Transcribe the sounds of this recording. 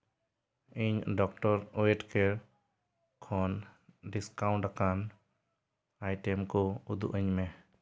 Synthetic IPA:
iɲɖɔk̚ʈɔɾɔeʈkɛ | kʰɔnɖiskawɳʈakan | ajʈɛmkɔud̪ṵʔəɲmɛ

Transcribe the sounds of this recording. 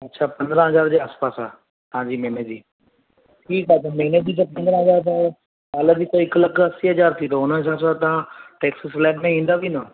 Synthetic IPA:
ɐtːɕʰapɐ̃nd̪ɾə̃ɦɐzaːɾd͡ʑeːaːspaːsa̰ː | t̪ɐɦãd͡ʑiːmeːned͡ʑiː | ʈʰiːkaːtʰemɐɦɪned͡ʑit̪̬ɐpɐ̃nd̪ɾə̃ɦɐzaːɾt̪a | aːləd͡ʑit̪oɪklɐkɐsiɦɐzaːɾt̪ʰit̪oʊnəsaːsat̪ɐʋãʈeːksəslɛːɖmẽĩːnd̪aʋino

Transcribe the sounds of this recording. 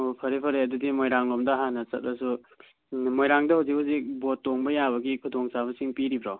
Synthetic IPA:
opʰɐɾipʰɐɾeɐdudimojɾaŋlomdɐɦanːɐsɐt̚bɐsu | mojɾaŋdɐhawzik̚bɐsik̚botːoŋbɐjaβɐɡikʰudoŋsaβɐsiŋpiɾibɾow

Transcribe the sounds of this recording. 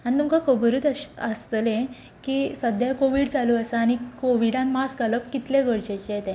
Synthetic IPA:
aɽ̃it̪umkakʰobəɾut̪əst̪lẽ | kisəd̪ʱjakoʋiɽt͡saluəsaaɽ̃ikoʋiɽãnmasɡaləpkit̪leɡəɽt͡ɕet͡ɕɛt̪ɛ̃

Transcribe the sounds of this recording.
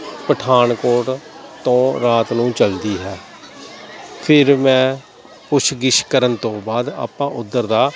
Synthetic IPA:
pəʈʰaːnkoːʈt̪õːɾaːt̪nũːt͡ʃəld̪iːɦɛː | pʰɪɾmɛ̃ː | pʊt͡ʃʰɡɪʃkəɾənt̪õːbaːd̪a̰ːpãːʔʊd̪ːəɾd̪aː

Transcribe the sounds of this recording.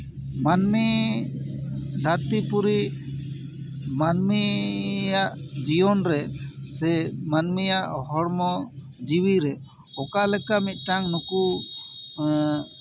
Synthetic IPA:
manmi | d̪ʱaɾt̪ipuɾi | manmijaʔd͡ʒijɔnɾɛsɛmanmijaʔɦɔɽmɔ | d͡ʒiwiɾɛ | ɔkalɛkamit̪̚ˀʈaŋnuku

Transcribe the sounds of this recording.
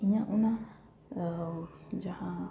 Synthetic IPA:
iɲãʔuna | d͡ʒahã

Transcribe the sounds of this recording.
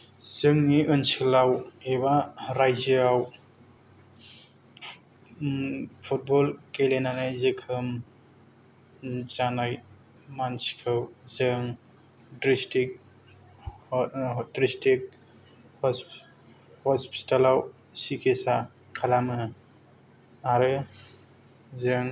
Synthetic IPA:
z̥ɯŋniʔɯnsɯlawebaɾajziaw | pʰut̚bɔlkelenanajzɯkʰɯm | zanaj | mansi̥kʰɯwzɯŋ | dɾistik̚ | dɾistik̚ | hɔ | hɔspi̥talaw | sikʰesa | kʰalamɯ | aɾɯ | zɯŋ

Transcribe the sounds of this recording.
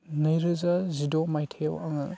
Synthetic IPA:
nɐjɾɯzazidomajtʰejwaŋɯ

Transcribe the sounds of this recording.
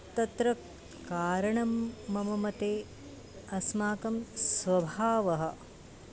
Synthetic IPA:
t̪ɐt̪ɾɐkː | aːɾɐɳɐmːɐmɐmɐt̪eː | ɐsmaːkɐmsʋɐbʱaːʋɐɦɐ̆

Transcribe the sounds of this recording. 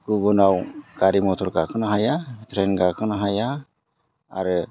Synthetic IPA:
ɡ̥ubɔnawɡ̥aɾimɔtʰɔɾɡakʰɯnaɦajatʰɾenɡakʰɯnaɦaja | a̰ɾɯ

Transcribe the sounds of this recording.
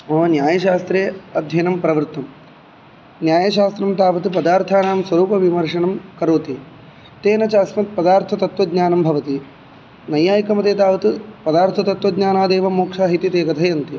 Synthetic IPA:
oːnjaːjɐʃaːst̪ɾeːɐd̪ʱjɐnɐmpɾɐʋɾt̪ɐm | njaːjɐʃaːst̪ɾɐmt̪aːʋɐt̪upɐd̪aːɾt̪ʰaːnaːmswʋɐɾuːpɐʋimɐɾʂɐɳɐmkɐɾoːt̪i | t̪eːnɐt͡ʃaːsmɐt̪̚pɐd̪aːɾt̪ʰɐt̪ɐt̪ʋɐd̪ɲaːnɐmbʱɐʋɐt̪i | nɐjaːjkɐmɐt̪eːt̪aːʋɐt̪upɐd̪aːɾt̪ʰɐt̪ɐt̪ʋɐd̪ɲaːnaːd̪eːʋɐmoːkʂaːɦit̪it̪eːkɐt̪ʰɐjɐnt̪i

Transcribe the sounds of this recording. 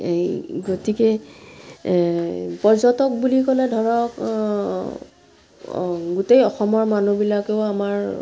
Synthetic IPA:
ɡotikɛ | pɔɹzɔtɔk̚bulikɔlɛdʱɔɹɔk | ɡutejɔxɔmɔɹmanubilakeʊamaɹ

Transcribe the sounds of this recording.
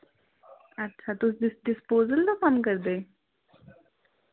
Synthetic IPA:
ətːʃʰat̪usɖ̪ɪsɖɪspoːzəld̪akəmkəɾd̪eː

